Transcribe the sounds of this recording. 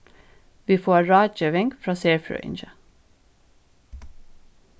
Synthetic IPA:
ʋiːfoːɹɑːt͡ʃəʋɛŋkfɹɑːseːɹfɹø̰ːʔɪ̰nʃə

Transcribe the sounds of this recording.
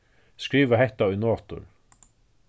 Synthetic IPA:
skɹiːʋaɦɛht̪aʊjnoːt̪ʊ̰ɾ

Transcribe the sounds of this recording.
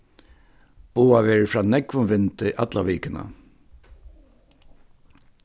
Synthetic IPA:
b̥uːaʋɛːɹfɹaːnɛkʋʊnʋɪnt̪ːʔɑt̪laʋiːkənə̰

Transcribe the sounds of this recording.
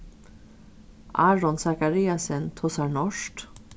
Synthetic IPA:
ʔɑːɹɔnsɑkɑɾiːɑsənt̪ʰɔsɑɳɔʃʈ

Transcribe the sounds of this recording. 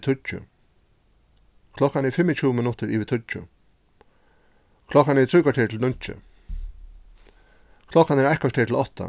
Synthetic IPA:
t̪ʰʏt͡ʃʊ̰ | kʰlɔkanɛɹfɪmɪt͡ɕʰuːmɪnʊt̪əɹiːʋɪt̪ʰʊt͡ʃʊ̰ | kʰlɔkːanɛt̪ɾiːkaʈʰeːt̪ʰɪlnʊn̥t͡ʃə̰ | kʰlɔkːanɛɹɛkaʈʰeːt̪ʰɪlɔht̪a̰

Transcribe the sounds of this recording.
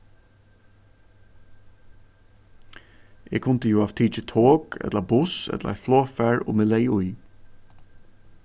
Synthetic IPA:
ʔeɡ̚kʰʊnt̪əjuːaʋt̪ʰiːt͡ʃət̪ʰoːɡɛ̰d̪ləbʊsɛ̰d̪lʔa̰floːfæɹo̰ːmɪleɪʊj

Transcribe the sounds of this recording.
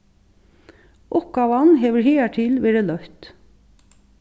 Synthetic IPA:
ʔʊp̚ɡ̥ɑːʋɑnɦeːʋəheːæʈʰɪlʋeːɹəlœht̪

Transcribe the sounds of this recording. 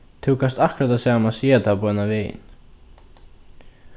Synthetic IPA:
t̪ʰɪwkast̪ahkɾat̪aðsjaːamasjɛat̪ʰaːpuɛnaveːjɪ̰n

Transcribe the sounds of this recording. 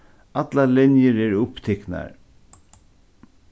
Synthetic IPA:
at̪lalɪnjəɾɛɹʊpt̪ʰɛkna̰ɹ

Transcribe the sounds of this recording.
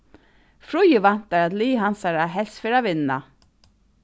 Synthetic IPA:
fɹʊjəvan̥t̪aɹat̪liːɦansaɹaɦɛlsfɪːɾaʋɪnːa̰

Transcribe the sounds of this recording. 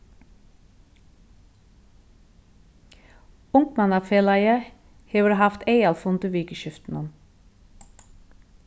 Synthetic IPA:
ʊŋkmɑnɑfeːlɑɪə | heːʋəɾhɑft̪eɪɑlfʊnd̪əʋiːkəʃʏft̪n̩ən

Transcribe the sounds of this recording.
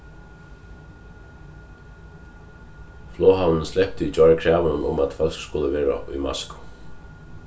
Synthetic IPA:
flɔːɦawnənslɛp̚t̪ɪit͡ʃɔɹakʰɾaːʋənənʊmat̪fœl̥kskʊləʋeːɹa̰ṵjma̰skʊ̥

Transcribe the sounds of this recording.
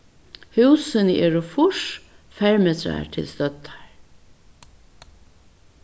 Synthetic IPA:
hʉwsənəʔeːɾʊfʊʂ | fɛɹmeːt̪ʰɾa̰tʰɪ̰lst̪œt̪ːḁɹ

